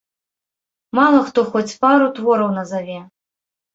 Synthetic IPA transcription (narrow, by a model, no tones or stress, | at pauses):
malˠɐxt̪ɔxɔt͡sʲpaɾut̪vɔɾɐwnɐzavʲɛ